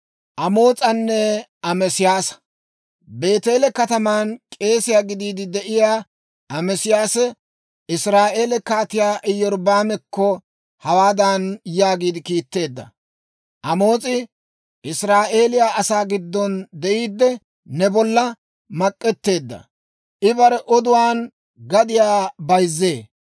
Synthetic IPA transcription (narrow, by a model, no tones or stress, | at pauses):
ʔɐmo̞ːt͡sʼɐnːɛɐmɛsɪjaːsɐ̥ | be̞ːt̪e̞ːlɛkɐt̪ɐmaːnkʼe̞ːsɪjaːɡɪd̪iːd̪ɪd̪ɛʔɪjaː | ʔɐmɛsɪjaːsɛ | ɪsɾaːʔe̞ːlɛkaːt̪ɪjaːʔɪjːɔɾbaːmɛkːɔ | hɐwaːd̪ɐnjaːɡiːd̪ɪkiːt̪ːe̞ːd̪ːɐ̰ | ʔɐmo̞ːt͡sʼɪ | ʔɪsɾaːʔe̞ːlɪjaːʔɐsaːɡɪd̪ːɔnd̪ɛʔiːd̪ːɛ | nɛbɔlːɐ | mɐkʼːɛt̪ːe̞ːd̪ːɐ̰ | ʔɪbɐɾɛʔɔd̪ʊwaːn | ɡɐd̪ɪjaːbɐjzːeː